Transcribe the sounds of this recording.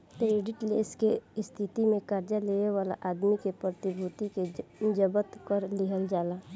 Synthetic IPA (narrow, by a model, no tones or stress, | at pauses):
t̪oeːɖɪʈleːskest̪ʰɪt̪imẽkaːɾd͡ʒaleːeʋaːla̰ʔaːd̪mikepɾət̪ɪbʱut̪iked͡ʒəbət̪kəɾlɪɦəld͡ʒaːlaː